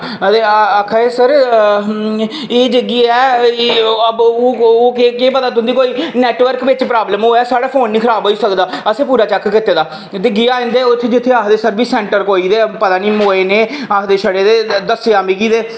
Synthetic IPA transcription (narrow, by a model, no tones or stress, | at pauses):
d̪eːəkʰːaːeːsəɾ | eːd͡ʒəɡiːɛː | əboːoːkekeːpət̪aːt̪̬ʊ̃nd̪iːkoːiːnɛːʈʋəɾkʋɪt͡ʃpɾaːbləmɦoːɛːsaːɽaːpʰoːnːiːkʰəɾaːbɦoːiːsəkd̪aːəsẽːpuːɾaːt͡ʃɛkkɪt̪ːeːd̪aː | t̪eːɡɪjaːɪ̃nd̪eːot̪ʰːd͡ʒɪt̪ʰːeːaːkd̪eːsəɾbiːsɛ̃ːɳʈəɾkoːiːd̪eːpət̪aːniːmoːeːneːaːkd̪eːʃəɽeːd̪eːd̪əseːaːmiːkiːd̪eː